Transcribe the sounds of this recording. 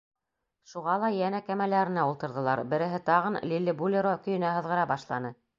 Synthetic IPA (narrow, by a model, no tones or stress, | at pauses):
ʃuʁɑlˠɑjænækæmælæɾɘ̆næulˠt̪ɤ̆ɾðɤ̆lˠɑɾbɘ̆ɾɘ̆ɦɘt̪ɑʁɤnlʲilʲːɘbulʲeɾokɵ̆jɵ̆næɦɤ̆ðʁɤ̆ɾɑbɑʃlˠɑ̰nɤ